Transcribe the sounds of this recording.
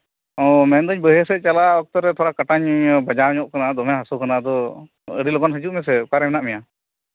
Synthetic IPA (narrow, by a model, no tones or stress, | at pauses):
ɔmɛnd̪əɲbəɦɛsɛt͡ʃalaɔk̚t̪ɔɾɛt̪ʰɔɾakaʈaɲbad͡ʒawɲɔʔ̚kanad̪ɔmɛ̃ɦasɔkanad̪ɔ | ə̰ɽilɔɡɔnɦəd͡ʒuʔmɛs̬ɛkaɾɛmɛnaʔmɛja